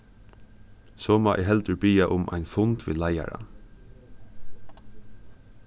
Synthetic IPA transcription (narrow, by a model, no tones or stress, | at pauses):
soːmɑːʔɛ̰ɦɛlt̪əɹbiːaʔʊmʔa̰ɪnfʊnt̪ʋḭːlaja̰ɾa̰n